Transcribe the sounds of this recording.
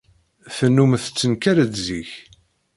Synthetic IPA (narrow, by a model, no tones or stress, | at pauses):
fənːumθət͡sːənkæɾəd̪ziç